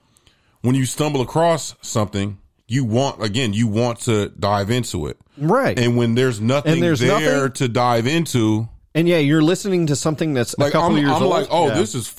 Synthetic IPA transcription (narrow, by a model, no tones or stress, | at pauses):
wə̃njɨstʌ̃mbl̩ˠəkʰɹ̥ɔsʌ̃mθɪ̃ŋ | jɨwɑ̃ntɨɡɛ̃njɨwɑ̃ntʰɨdaɪvɪ̃ntʰuɪ̰t̚ɹaɪtɨ̃nwɨ̃nðə˞znʌθɨ̃ɪ̃ðə˞zðʌɾɨdaɪvɪ̃ntʰuɨ̃njæjə˞lɪsnɪ̃ŋtɨsʌ̃mθɪ̃ŋðɨtslaɪkʌpãɪl̩ˠjɪɹãmlaɪoʊðɪsɨz̥